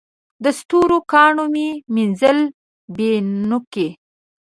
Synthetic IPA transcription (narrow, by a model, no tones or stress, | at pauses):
d̪əst̪uɾokɑɳomiminzəl | benʊke